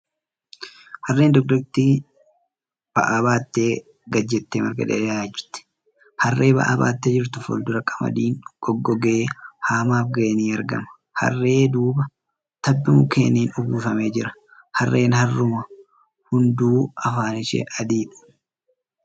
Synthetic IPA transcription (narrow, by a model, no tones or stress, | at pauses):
hɐrːe̞ːnd̪ɔɡ̚d̪ɐkt̪iː | b̥ɐ̰ʔabaːt̪ːeː | ɡɐd͡ʒːɛt̪ːeːmɐɾɡɐ̰ᶑ̪ɛ̰aːd͡ʒɪɾt̪ːɛ̥ | hɐrːe̞ːbɐ̰ʔa̰ːba̰ːt̪ːɛd͡ʒɪɾt̪ʊfɔ̰ld̪ʊɾɐkʼɐmɐ̰d̪iːŋɡ̥ɔɡːɔɡeːhaːmaːfɡɐʔniːɐɾɡɐ̰mɐ̥ | hɐ̰rːe̞ːd̪uːbɐ | t̪ɐbːɪmʊkʰḛːniːnʊɡuːfɐme̞ːd͡ʒɪɾɐ̥ | hɐrːe̞ːnhɐrːʊmɐ | hʊnd̪uːɐfaːnɪʃɛ̰ʔɐd̪iːᶑʊ̥